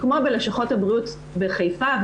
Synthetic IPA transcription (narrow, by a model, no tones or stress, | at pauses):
kmobeleʃaχo̞thabʁiut | beχejfav